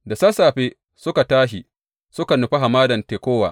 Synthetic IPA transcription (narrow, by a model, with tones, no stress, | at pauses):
da˨saː˦saː˨ɸeː˦ | sʊ˦ka˨taː˦ʃi˨ | sʊ˦ka˨nʊ˨ɸi˦ɦa˨maː˦dɐ˨nteː˨kʷoː˦waː˨